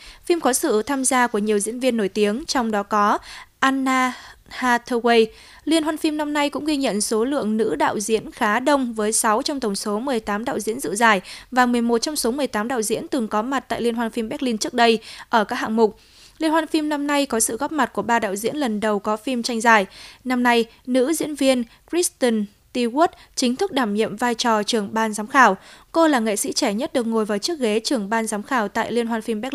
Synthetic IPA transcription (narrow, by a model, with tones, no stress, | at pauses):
fi˧mkɔ˨˦sɨ̰˧˨t̪ʰaː˧mzaː˧ku˧˩əɲi˨˩əwzḭ˧˥ənvi˧ənːo˧˩jt̪i˨˦əŋt͡ɕɔ˧wŋ͡mɗɔ˨˦kɔ˨˦ʔaː˧nːaː˧haː˧t̪ʰəː˧we˧j | li˧ənhwaː˧nfi˧mna˧mna˧jkʊ̰˧˥ŋ͡mɣi˧ɲə̰˧˨nso˨˦lɨ̰˧˨əŋnɨ̰˧˥ɗa̰ː˧˨wzḭ˧˥ənxaː˨˦ɗə˧wŋ͡mvəː˨˦jsa˨˦wt͡ɕɔ˧wŋ͡mt̪ə˧˩wŋ͡mso˨˦mɨ˨˩əjt̪aː˨˦mɗa̰ː˧˨wzḭ˧˥ənzɨ̰˧˨zaː˨˩jvaː˨˩mɨ˨˩əjmo˨˩t̚t͡ɕɔ˧wŋ͡mso˨˦mɨ˨˩əjt̪aː˨˦mɗa̰ː˧˨wzḭ˧˥ənt̪ɨ˨˩ŋkɔ˨˦ma˨˩t̚t̪a̰ː˧˨li˧ənhwaː˧nfi˧mɓɛ˦˥k̚li˧nt͡ɕɨ˦˥ək̚ɗə˧jʔəː˧˩kaː˦˥k̚ha̰ː˧˨ŋmʊ˨˩k͡p̚ | li˧ənhwaː˧nfi˧mna˧mna˧jkɔ˨˦sɨ̰˧˨ɣɔ˦˥p̚ma˨˩t̚ku˧˩əɓaː˧ɗa̰ː˧˨wzḭ˧˥ənlə˨˩nɗə˨˩wkɔ˨˦fi˧mt͡ɕa˧jŋ̟zaː˨˩jna˧mna˧j | nɨ̰˧˥zḭ˧˥ənvi˧ən | kɹi˦˥st̪i˧n | t̪i˧ɣu˦˥t̚t͡ɕï˨˦ŋ̟t̪ʰɨ˦˥k̚ɗaː˧˩mɲḭ˧˨mvaː˧jt͡ɕɔ˨˩t͡ɕɨ˨˩əŋɓaː˧nzaː˨˦mxaː˧˩wko˧laː˨˩ŋḛ˧˨sḭ˧˥t͡ɕɛ˧˩ɲə˦˥t̚ɗɨ˨˩ək̚ŋo˨˩jvaː˨˩wt͡ɕɨ˦˥ək̚ɣe˨˦t͡ɕɨ˨˩əŋɓaː˧nzaː˨˦mxaː˧˩wt̪a̰ː˧˨jli˧ənɦwaː˧nfi˧mɓɛ˦˥